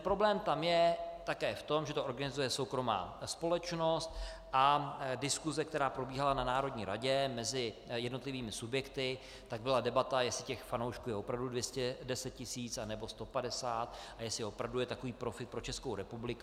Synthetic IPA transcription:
pɾo̞blɛːmt̪amjɛt̪akɛːft̪o̞mʒɛt̪oʔo̞ɾɡanɪzujɛso̞wkɾo̞ma̰ːspo̞lɛt͡ʃno̞st̪ | ʔadɪskuzɛk̚t̪ɛɾaːpɾo̞biːɦalananaːɾo̞dɲiːɾaɟɛmɛzɪjɛdnot̪lɪviːmɪsubjɛkt̪ɪ | t̪aɡ̚bɪladɛbat̪ajɛsɪcɛxfanowʃkuːjɛʔopɾavdudvjɛscɛdɛsɛt̪̚cɪsiːt͡sanɛbo̞st̪o̞padɛsaːt̪ʔajɛsɪo̞pɾavdujɛt̪akoviːpɾo̞fɪt̪̚pɾo̞t͡ʃɛskowɾɛpublɪku

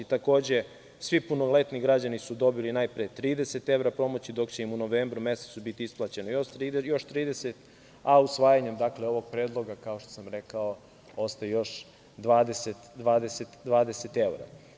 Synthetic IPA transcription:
it̪ako̞ːd͡ʑe̞ | sʋipunole̞t̪niɡɾad͡ʑanisud̪o̞bilinajpɾet̪ɾiːd̪ese̞t̪e̞ʋɾapɾo̞mo̞t͡ɕid̪o̞kt͡ɕe̞imuno̞ʋeːmbɾume̞set̪subit̪iisplˠat͡ɕe̞nojoʃɾijo̞ʃt̪ɾiːd̪eset̪ | ausʋaːjaɲemd̪akleo̞ʋoɡ̚pɾeːd̪lˠo̞ɡakao̞ʃt̪osamɾe̞kao | o̞st̪ajejo̞ʃ | d̪ʋaːd̪eset̪d̪ʋaːd̪eset̪d̪ʋaːd̪eset̪eʋɾa̰

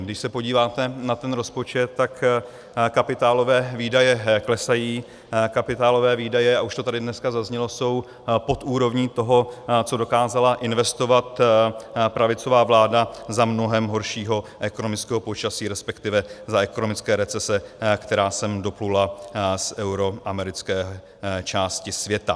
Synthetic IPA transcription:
ɡdɪʃsɛpo̞ɟiːvaːt̪ɛnat̪ɛnɾo̞spo̞t͡ʃɛt̪tːak | kapɪt̪aːlo̞vɛːviːdajɛklɛsajiː | kapɪt̪aːlo̞vɛːviːdajɛaʔuʃt̪ot̪adɪdnɛskazazɲɛlo̞so̞w | po̞t̪uːɾo̞vɲiːt̪o̞ɦo̞t͡so̞do̞kaːzalaʔɪnvɛst̪o̞vat̪ | pɾavɪt͡so̞vaːvlaːdazamno̞ɦɛmɦo̞ɾʃiːɦo̞ʔɛkonomɪt͡skɛːɦopo̞t͡ʃasiːɾɛspɛkt̪ɪvɛzaɛko̞nomɪt͡skɛːɾɛt͡sɛsɛkt̪ɛɾaːsɛmdo̞plulasʔɛwɾo̞ʔamɛɾɪt͡skɛːɦ | t͡ʃaːscɪsvjɛt̪a

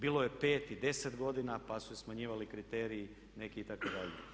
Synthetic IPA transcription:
biːlo̞je̞pe̞ːt̪id̪e̞set̪ɡo̞d̪inapasusesmaɲiːʋalikɾit̪eːɾiː | ne̞kiːt̪akod̪aʎḛ

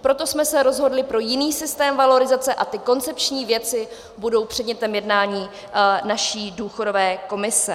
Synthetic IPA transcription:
pɾo̞t̪o̞smɛsɛɾo̞zɦo̞dlɪpɾo̞jɪniːsɪst̪ɛːmvalo̞ɾɪzat͡sɛʔat̪ɪko̞nt͡sɛpt͡ʃɲiːvjɛt͡sɪ | budo̞wpr̥ɛdɲɛt̪ɛmjɛdnaːɲiː | naʃiːduːxo̞do̞vɛːko̞mɪsɛ

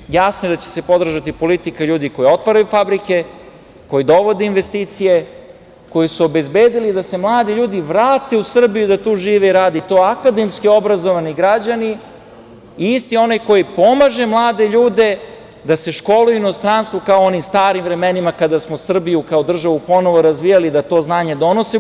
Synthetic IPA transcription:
jasnojed̪at͡ɕe̥se̞po̞d̪r̩ʒat̪ipo̞lit̪ikaʎuːd̪iko̞jio̞t̪ʋaɾajufabɾike̞ | ko̞jid̪o̞ʋo̞d̪einʋe̞st̪iːt̪sije̞ | ko̞jisuobe̞zbeːd̪ilid̪ase̞mlˠaːd̪iʎuːd̪iʋɾaːt̪e̞usr̩bijud̪at̪uːʒiːʋeiɾaːd̪it̪o̞akad̪e̞mskio̞bɾazo̞ʋaniɡɾad͡ʑani | iist̪io̞najko̞jipo̞maʒe̞mlˠaːd̪e̞ʎuːd̪e̞ | d̪ase̞ʃko̞lujuinost̪ɾanst̪ʋukaoonimst̪aːɾimvɾe̞me̞nimakad̪asmosr̩bijukaod̪r̩ʒaʋupo̞no̞ʋo̞ɾazʋijalid̪at̪o̞ːznaːɲe̞d̪o̞no̞se

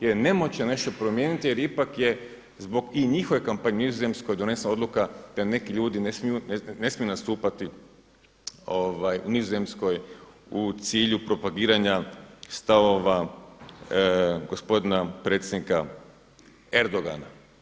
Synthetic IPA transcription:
jene̞mot͡ɕene̞ʃt̪o̞pɾo̞mjeːnit̪ijeɾipakje̞ | zbo̞ɡiɲixoʋe̞kampaɲeunizoze̞msko̞jd̪o̞ne̞snao̞d̪lˠukad̪̥ane̞kiʎuːd̪inesmijunne̞smiunast̪uːpat̪i | oʋajunizoze̞msko̞j | ut̪siːʎupɾo̞paɡiːɾaɲast̪aʋo̞ʋa | ɡo̞spo̞d̪inapɾe̞ːt̪sʲjed̪nika̰ | e̞ɾd̪o̞ɡa̰na̰

